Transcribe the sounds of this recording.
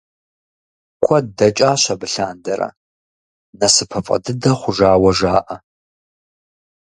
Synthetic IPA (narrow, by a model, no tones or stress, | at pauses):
kʷʰɔdɐt͡ʃʼaːɕɐbɨɬaːndɐɾɐ̰ | nɐsɨpʰɐfʼɐ̰dɨdɐχʷʊʒaːwɐʒaːʔɐ